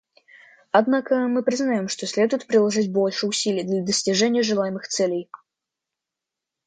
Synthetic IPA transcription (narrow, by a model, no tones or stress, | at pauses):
ad̪nakəmɨpɾʲɪznajɔmʂt̪ɔsʲlʲɛd̪ʊjɪt̪̚pɾʲɪlˠaʐɨdʲbɔlʲʂɨʊsʲilʲɪjd̪lʲɐd̪əsʲtʲɪʐɛnʲɪjəʐɨlˠajmɨxt̪sɛlʲej